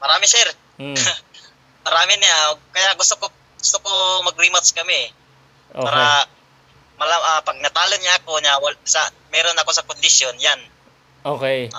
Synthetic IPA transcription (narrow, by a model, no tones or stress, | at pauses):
mɐɾaːmɪsɛɾ | mɐɾaːmɪnɪakɐjaʔɡʊst̪oko | ɡʊst̪okomɐɡ̚ɾimat̪skɐmɪ | ʔpːaːɾɐ | mɐlaʔapɐɡ̚nɐt̪aːloŋɲaʔɐkoɲawɐlsɐ̰ | mɛːɾonɐko̞sɐkʊnd̪ɪsjonjan | ʔoke